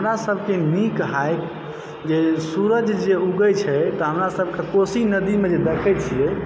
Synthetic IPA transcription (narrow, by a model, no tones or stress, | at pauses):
ɦəmɾasəbʱkenikɦajk | d͡ʒesuɾəd͡ʒʱd͡ʒeuɡət͡ʃʰɛt̪ɔɦəmɾasəb̚ʱkekosinəd̪imed͡ʒed̪ekʰɛt͡ʃʰijɛ